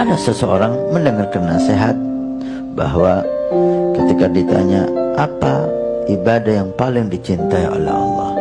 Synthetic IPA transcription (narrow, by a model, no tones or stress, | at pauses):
adasəsəoɾaŋməndəŋarkanːaseɦat̪̚ | ba̰ɦwa | kət̪ikadit̪a̰ɲaʔapaibadahjaŋpalɪŋdit͡ʃint̪aio̰lɛ̰hɑ̰lːɑ̰h